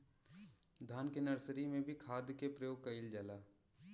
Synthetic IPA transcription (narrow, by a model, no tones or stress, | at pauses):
d̪ʱaːnkenɐɾsɾimẽbʱikʰaːd̪jkepɾəjoːɡ̚kɐɪld͡ʒaːlaː